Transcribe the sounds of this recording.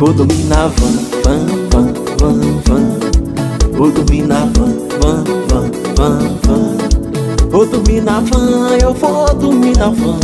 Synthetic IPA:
vod̪uminavɐ̃vɐ̃vɐ̃ | vɐ̃vɐ̃ | vod̪uminavɐ̃ | vɐ̃vɐ̃ | vɐ̃vɐ̃ | vod̪uminavɐ̃ewvod̪uminavɐ̃

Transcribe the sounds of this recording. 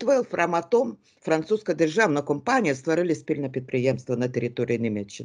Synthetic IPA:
t̪vilˠfɾʔɐmɐt̪om | fɾɐnt̪suskəjdʲɪrʐavnəjkompanʲɪjəst̪vɐɾɨlʲɪsʲpʲilʲnəpʲɾʲɪt̪̚pɾʲɪjemst̪vənətʲɪɾʲɪt̪oɾʲɪ̰ɪnʲɪmʲet͡ɕːɪn

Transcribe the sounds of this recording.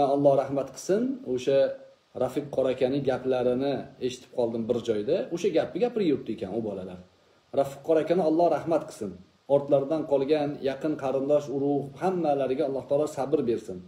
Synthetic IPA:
aɒlˠːɒhɾahmat̪qʰɨ̥sɪnoʃa | ɾafɪqʰːɒɾakʲʰanɪɡʲaplaɾɪnɪe̞ʃɪ̥t̪ʰɪ̥p̚qʰɒlˠd̪ɪmbɪɾd͡ʒɒjd̪aoʃaɡʲapɪɡʲapʰɪɾɪjoɾ̚t̪ɪekʲʰanʊbɒlala̰ɾ | ɾafɪqʰːɒɾakʲanɪɒlˠːɒhɾahmat̪qʰɨ̥sɪn | ɒɾt̪laɾd̪anqʰɒlˠɡʲanjɑqʰɨnqʰɑɾɪnd̪ɒʃʊɾʊhhamːalaɾɪɡʲaɒlˠːɒht̪ɒlˠɒsabɪɾbe̞ɾsɪn

